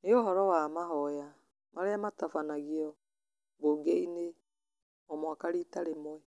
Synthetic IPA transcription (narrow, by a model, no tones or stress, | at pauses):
neoɦɔɾɔwamaɦɔja | maɾeamatafanaɣiɔ | boɡeine | ɔmɔakaɾitaɾemɔɛ